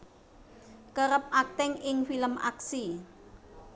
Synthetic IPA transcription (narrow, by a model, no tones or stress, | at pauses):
kəɾəp̚ʔak̚t̪ɛŋɪŋfiləmʔa̰ksi